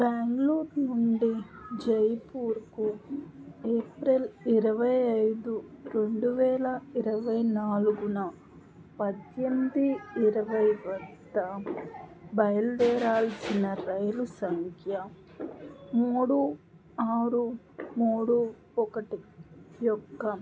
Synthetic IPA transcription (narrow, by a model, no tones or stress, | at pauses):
bɛːŋɡluːɾnuɳɖid͡ʒɐjpuːɾku | eːpɾeliɾɐʋɐjɐjd̪uɾe̞ɳɖuʋɛːlɐiɾɐʋɐjnaːluɡunɐ | pɐd̪jɐnd̪iːɾɐʋɐjʋɐd̪ːɐ | bɐjɐlʋɛːɾaːlɐsinɐɾɐjlusɐŋkʰjɐ | muːɽu | aːɾu | muːɽu | ɔkɐʈijɔkːɐ